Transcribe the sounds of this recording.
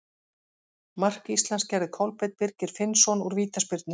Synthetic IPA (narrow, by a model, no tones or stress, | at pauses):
mar̥kist̪lanscɛɾðɪkʰɔwlpejt̪̚pɪɾcɪɾ̥fɪnsɔnuɾviːt̪aspɪɾt̪nɪ